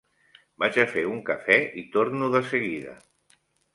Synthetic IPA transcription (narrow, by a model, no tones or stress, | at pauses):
bat͡ʃəfeuŋkəfɛit̪oɾnuðəsəɣiðə̰